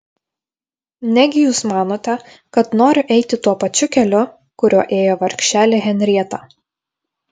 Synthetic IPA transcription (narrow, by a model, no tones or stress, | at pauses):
nʲɛɡʲɪjuːsmɑːnoːt̪ʲɛ | kɐt̪noːɾʲʊʔɛɪt̪ʲɪt̪uɔpɐt͡ʃʲʊkʲɛlʲʊ | kʊɾʲuɔʔeːjoːʋɐɾʲkʲʃʲt͡ʃʲæːlʲeɣʲɛnʲɾʲiɛt̪ɑː